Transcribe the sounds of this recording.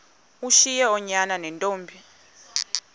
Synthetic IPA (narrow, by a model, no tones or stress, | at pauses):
uʃijɛɔɲananɛntʼoːmbʱi